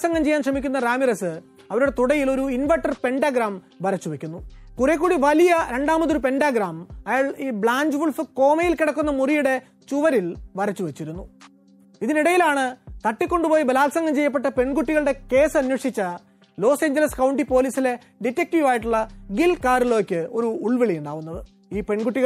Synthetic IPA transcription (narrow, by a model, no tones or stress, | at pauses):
sɐŋɡɐmt͡ɕe̞jaːnʂrɐmikʲːunːɐraːmiresɨ | ɐʋɐɾuɽe̞t̪uɽɐjilo̞ɾuinʋɐʈːɐrpe̞ɳɖaːɡɾaːm | bɐɾɐt͡ɕːuʋekʲːunːukurek̬ːuːɽiʋɐlijɐɾe̞ɳɖaːmbɐt̪ːoɾupe̞nɖaːɡraːmɐjaːɭiːbɭaːɲd͡ʑʋulfɨko̞ːmɐjilkiɽɐkːunːɐmurijuɽe̞ | t͡ɕuʋɐɾilʋɐrɐt͡ɕːuʋet͡ɕːiɾunːu | iðiniɽɐjilaːɳɨt̪ɐʈːikʲːo̞ɳɖupoːjibɐlaːlsɐŋɡɐmt͡ɕe̞jːɐpːe̞ʈːɐpe̞ɳɡuʈːiɣɐɭɨɽe̞ke̞ːsɐnːwɐʂit͡ɕːɐ | lo̞ːseːɲd͡ʑɐlɐskɐwɳɖipo̞ːliːsile̞ | ɖitːek̚ʈiʋaːjiʈːuɭːɐɡilkaːrilo̞ːkʲːɨo̞ɾuːɭʋiɭijuɳɖaːʋunːɐðɨ | iːpe̞ɳɡuʈːiɣɐ